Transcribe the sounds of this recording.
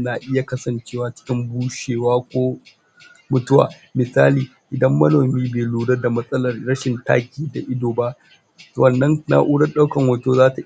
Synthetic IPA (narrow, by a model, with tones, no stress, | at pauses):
na˨ʔɪ˦ja˨kɐ˦sɐ˨nt͡ʃeː˦waː˦t͡ʃɪ̥˦kʲɪ˦mbuː˦ʃeː˨waː˦kʷoː˦ | mʊ˨tʊ˦wa̰ː˨ | mɪ˨saː˦liː˨ | ʔɪ˨dɐ˦mːɐ˦noː˨miː˦beː˨luː˨ɽɐ˦da˨mɐ˦sʼɐ˦lɐ˨rɽɐ˦ʃɪ˨nta̰ː˦kʲiː˦da˨ʔɪ˦doː˨ba˦ʔ | wɐ˨nːɐ˦ŋna̰˨˦ʔuː˦ɽɐ˦rɗa˦wkɐ˨ŋwɐ˨toː˦zaː˦ta˨